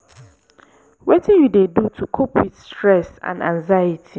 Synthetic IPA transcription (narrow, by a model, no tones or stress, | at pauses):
wetʰɪ̃nwudedutʰukʰopʰwitstɹɛsã̰nã̰ŋzajitʰi